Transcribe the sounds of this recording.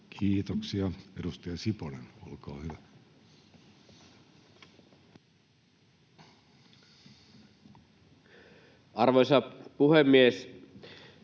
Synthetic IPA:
kʰiːt̪oksiɑedust̪ejɑsiponḛno̰lkɑ̰ːhyʋæ | ɑrʋojsɑpuhemːies

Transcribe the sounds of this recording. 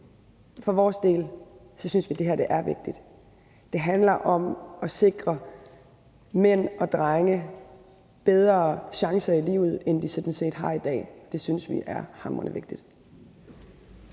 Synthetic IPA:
fɒ̽ʋɒːsd̥e̝̰ːl | sɒ̽synsʋid̥e̝ɦæɐ̰d̥e̝ʔæɐʋe̝ɡ̥̚d̥id̥ | d̥e̝ɦænlɐʔɒ̽mɒ̽se̝ɡ̥ʁɐ | men̰ɒ̽d̥ʁaŋə | b̥eð̞ˠʁɐːɕɑ̈ŋsɐilḭːʊð̩ˠend̥isɔd̥n̩se̝̰ːd̥ɦɑ̈id̥ɛ̰ːɒ̽d̥e̝synəsʋḭʔæɐhɑ̈mʁɐnəʋe̝ɡ̥̚d̥id̥

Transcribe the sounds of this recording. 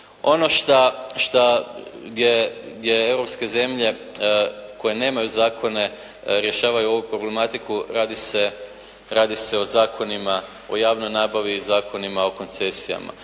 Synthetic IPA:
o̞no̞ʃt̪aʃt̪aɡd̪jeɡd̪ʲje̞e̞wɾo̞pske̞ze̞mʎe̞ | ko̞je̞ne̞ːmajuzaːkʰo̞ne̞ | ɾje̞ʃaːʋajuo̞ʋupɾo̞ble̞mat̪ikuɾaːd̪ise | ɾaːd̪ise̞o̞zaːkʰo̞nima | o̞̰jaːʋnojnaːbaʋizaːkʰo̞nimao̞ko̞nt̪se̞sija̰ma̰

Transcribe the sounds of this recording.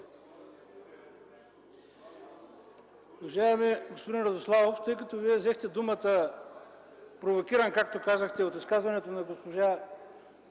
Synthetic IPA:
vɐʒaɛmiɛɡospod̪inɾɐd̪oslˠavoft̪ɤjkɐt̪oviɛvzɛxt̪ɛd̪umət̪ə | pɾovokʲiɾənkakt̪okazəxt̪ɛot̪iskazvɐnɛt̪onɐɡospoʒa

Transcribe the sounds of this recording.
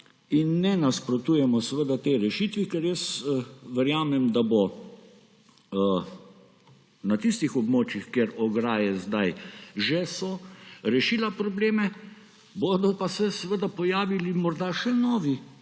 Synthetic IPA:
inːɛnaspɾot̪uːjɛmɔsʋəd̪at̪eɾɛʃit̪ʋikɛɾjəsʋɛɾjaːmɛmd̪abo | nat̪ist̪ixɔbmoːt͡ʃjixkjeɾɔɡɾaːjɛzd̪ajʒɛsɔɾɛʃiːlapɾɔbleːmɛ | bod̪ɔpasɛsʋəd̪apɔjaːʋilimɔɾd̪aʃɛnɔːʋi

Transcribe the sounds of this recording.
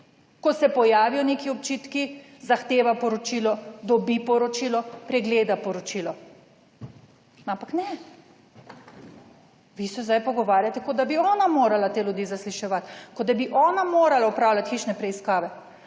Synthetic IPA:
kɔsɛpɔjaːʋijɔneːkiɔpt͡ʃit̪kizaxt̪eːʋapɔɾɔt͡ʃiːlɔd̪ɔbipɔɾɔt͡ʃiːlɔpɾɛɡleːd̪apɔɾɔt͡ʃilɔ | ampaknɛ | ʋisɛzd̪ajpɔɡɔʋaːɾjat̪ɛkod̪abiɔːnamoːɾalat̪eːljud̪iːzasliʃɛʋat̪kɔd̪abiʔɔːnamoɾalaupɾaːwlʲat̪xiːʃnɛpɾɛiskaːʋɛ

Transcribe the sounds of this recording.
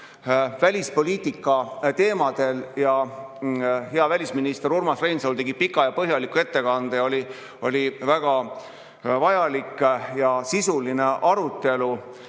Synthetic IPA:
vælʲispo̞lʲiːt̪ikːˑɑt̪e̞ːmɑd̪̥e̞ljɑ | ɦe̞ɑvælʲisminist̪e̞ɾurmɑsvejnsowlt̪e̞ɡipikːˑɑjɑpɤɦjɑlikːue̞t̪ːe̞kɑnd̪̥ejo̞lʲi | o̞̰lʲivæɡ̥ɑ | vɑjɑlikːˑjɑsisuline̞ʔɑɾut̪ːˑe̞lu

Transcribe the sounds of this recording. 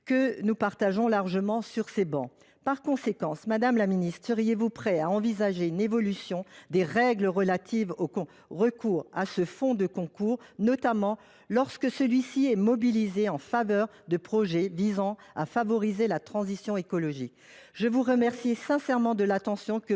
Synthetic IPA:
kənupaʁt̪aʒɔ̃laʁʒəmɑ̃syʁsebɑ̰̃ | paʁkɔ̃sekɑ̃smad̪amlaminist̪χsəʁijevupχɛaɑ̃vizaʒeynevɔlysjɔ̃d̪eʁɛɡləʁəlat̪ʰivokɔ̃ | ʁəkuːʁa̰səfɔ̃d̪əkɔ̃kuːʁnɔt̪amɑ̃ | lɔʁskəsəlɥisiɛmɔbilizeɑ̃favœʁ | d̪əpχɔʒɛvizɑ̃ | afavɔʁizelat̪χɑ̃zisjɔ̃ekɔlɔʒik | ʒəvuʁəmɛʁsisɛ̃sɛʁmɑ̃d̪əlat̪ɑ̃sjɔ̃kə

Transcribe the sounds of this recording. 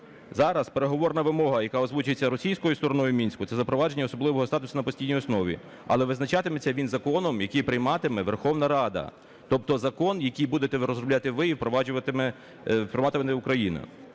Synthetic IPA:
zɑɾɐspeɾeɦɔʋɔrnɐʋɪmɔɦɐjɐkɑɔzʋut͡ʃʊjet͡sʲːɐɾɔsʲijsʲkɔjʊst̪ɔɾɔnɔjʊmʲinʲsʲkʊt̪ɛzɐpɾɔʋɑd͡ʒe̞nʲːɐɔsɔblˠɪʋɔɦɔst̪ɑt̪ʊsɐnɐpɔsʲtʲijnʲijɔsnɔʋʲḭ | ɐ̰lˠɛʋɪznɐt͡ʃɑt̪ɪmet͡sʲːɐʋʲinzɐkɔnɔmjɐkijpɾɪjmɑt̪ɪmɛʋerxɔwnɐɾɑd̪ɐ̰ | t̪ɔp̚t̪ɔzɐkɔnjɐkijbud̪et̪ɛʋɾɔzɾrɔblʲat̪ɪʋɪiwpɾɔʋɑd͡ʒʊʋɐt̪ɪmɛ | pɾɔmɑt̪ɪmɛnɛʊkɾɐjinɐ̰

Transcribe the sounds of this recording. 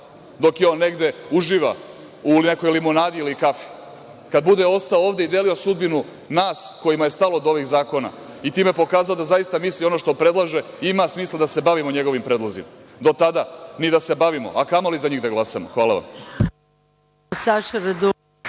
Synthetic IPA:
d̪o̞kjeo̞ːnːe̞ɡd̪e̞uʒiːʋa | ulneko̞jlimo̞naːd̪iilikafi̥ | kad̪̚bud̪eo̞st̪aooːʋd̪eid̪e̞lio̞sud̪binu | naːsko̞jimaje̞st̪aloːd̪o̞ʋiɣzaːko̞na̰ | it̪iːmepo̞kaːzalod̪azajist̪amislio̞no̞ʃt̪o̞pɾed̪lˠaʒe̞ | imasmiːslˠad̪ase̞baʋimo̞ɲe̞ɡo̞ʋimpɾe̞ːd̪lˠozḭmad̪o̞t̪ad̪anid̪ase̞baʋimo̞̰ʔakamolizaɲiːɣd̪aɡlˠasamo̰xʋaːlˠaʋa̰m | saʃɾd̪u

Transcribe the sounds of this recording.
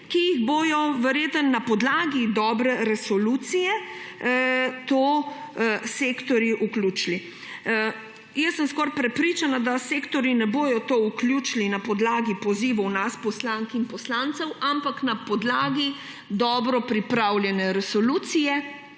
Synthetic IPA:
kijiɣboːjɔʋɛɾjeːt̪ənːapɔd̪laːɡid̪ɔːbɾɛɾɛsɔluːt̪sijɛ | t̪o | seːkt̪ɔɾiʔuklʲuːt͡ʃli | jɛsəmskɔɾpɾɛpɾiːt͡ʃanad̪aseːkt̪ɔɾinɛboːjɔt̪oːukljut͡ʃlinapɔd̪laːɡipɔziːʋɔwnaspɔslaŋkinpɔslant̪sɛwʔampaknapɔd̪laːɡi | d̪ɔːbɾɔpɾipɾaːwljɛnɛɾɛsɔluːt̪sijɛ

